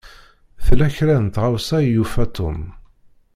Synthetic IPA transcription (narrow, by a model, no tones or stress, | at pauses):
θlæçɾænt̪ʁawsæjufæt̪ʰʊ̰m